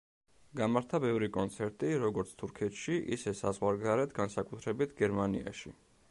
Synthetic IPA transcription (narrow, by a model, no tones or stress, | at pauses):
ɡamaɾt̪ʰabɛvɾikʼɔnt̪sʰɛɾt̪ʼiɾɔɡɔɾt̪sʰt̪ʰuɾkʰɛt̪ʰʃiʔḭsɛsa̰zʁwaɾɡzaɾɛt̪ʰɡansakʼut̪ʰɾɛbit̪ʰɡɛɾmanḭa̰ʃḭ